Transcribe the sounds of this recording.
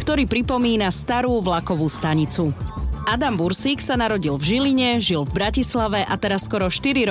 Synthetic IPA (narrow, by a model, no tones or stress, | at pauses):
kt̪ɔɾiːpɾipɔmiːnast̪aɾuːʋlakɔʋuːst̪aɲit͡suad̪ambuɾsiːksanaɾɔɟilvʒiliɲɛʒilvbɾacislaʋɛʔat̪ɛɾasːkɔɾɔʃt̪iɾiɾɔ